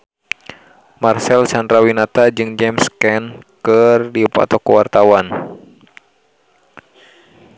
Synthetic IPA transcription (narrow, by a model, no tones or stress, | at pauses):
marsɛlsandɾawinat̪ad͡ʒɨŋd͡ʒɛmskɛnkɨrdiupa̰t̪ɔkəwart̪awan